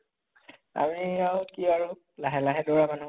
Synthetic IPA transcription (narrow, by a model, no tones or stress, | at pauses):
a̰miawkiaɹu | laɦɛlaɦɛdɔɹamanu